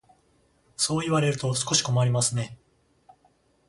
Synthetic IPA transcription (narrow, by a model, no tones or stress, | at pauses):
so̞ːiβaɾe̞ɾɯ̟t̪o̞sɨ̥ko̞ɕi̥ko̞maɾʲimasɨne̞